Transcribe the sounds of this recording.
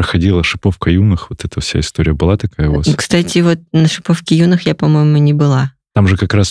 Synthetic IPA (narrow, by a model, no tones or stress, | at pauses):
ɾəxɐdʲilˠəʂɨpo̞fkəjunɨxvot̪ɛt̪əfsʲa̰ɪst̪o̞ɾʲɪjəbɨlˠat̪ɐkajəʊva̰skst̪atʲɪvo̞t̪̚nəʂɨpofkʲɪjunɨxjapɐmo̞jɪmʊnʲɪbɨlˠa | t̪amʐɨkɐkɾas